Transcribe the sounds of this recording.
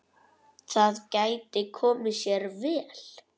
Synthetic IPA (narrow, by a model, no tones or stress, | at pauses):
θaðcaːjt̪ɪkʰɔːmɪsjɛɾvɛːl̥